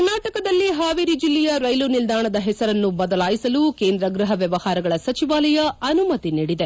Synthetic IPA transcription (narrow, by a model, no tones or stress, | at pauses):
ɾnaːʈɐkɐd̪ɐlːiɦaːʋiɾid͡ʒilːɛjɐɾɐjlunild̪aːɳɐd̪ɐɦɛsɐɾɐnːubɐd̪ɐlaːjisɐluke̞ːnd̪ɾɐɡɾɐɦɐʋjɛʋɐhaːɾɐɡɐɭɐsɐt͡ʃiʋaːlɐjɐɐnumɐt̪iniːɽid̪e